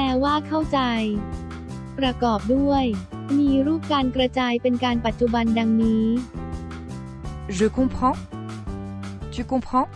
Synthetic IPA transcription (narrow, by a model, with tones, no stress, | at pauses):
pɛː˧˩waː˥˩kʰa˥˩wt͡ɕa˧j | pɾa˧kɔː˨˩p̚du˥˩əj | miː˧ɾuː˥˩p̚kaː˧nkɾa˧t͡ɕaː˧jpe˧nkaː˧npa˨˩t̪̚t͡ɕu˧ba˧nda˧ŋniː˦˥ | zɯ˧˩kʰu˧˥pʰɾɔ˥˨ | t͡ɕi˧˥kʰo˧ŋpʰɾɔ˥˨